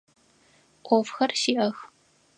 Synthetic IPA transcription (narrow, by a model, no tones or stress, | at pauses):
qʷʼɔfxɐrʃiːʔɐx